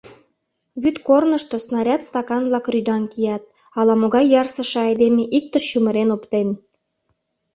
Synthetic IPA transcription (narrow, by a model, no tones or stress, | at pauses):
βyt̪kornəʃt̪osnɑɾʲɑt̪st̪ɑkɑnβlɑkryd̪ɑnkijɑt̪̚ | ɑlɑmoɣɑjːɑrsə̆ʃĕɑjd̪emeʔik̚t̪əʃʃumə̆ɾenopt̪en